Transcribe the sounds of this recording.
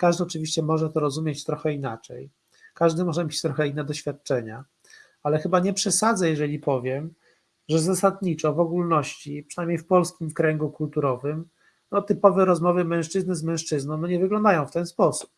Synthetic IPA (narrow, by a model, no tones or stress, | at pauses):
kaʐd̪ɘɔt͡ʂɘvʲiɕt͡ɕɛmɔʐɛt̪ɔɾɔzumʲjet͡ɕt̪ɾɔxɛinat͡ʂɛ̰j | kaʐd̪ɘmɔʐɛmʲet͡ɕt̪ɾɔxɛinːɛd̪ɔɕfʲjat̪̚t͡ʂɛɲa̰ | alɛxɘbaɲɛpʂɛsad̪zɛjɛʐɛlʲipɔvʲjɛm | ʐɛzasad̪ɲit͡ʂɔvɔɡulnɔɕt͡ɕipʂɛnajmɲejfpɔlskʲimfkɾɛŋɡukult̪uɾɔvɘm | nɔt̪ɘpɔvɛɾɔzmɔvɘmɛ̃w̃ʂt͡ʂɘznɘzmɛ̃w̃ʂt͡ʂɘznɔ̃w̃nɔɲɛvɘɡlɔ̃nd̪ajɔ̃w̃ft̪ɛnspɔsu̥p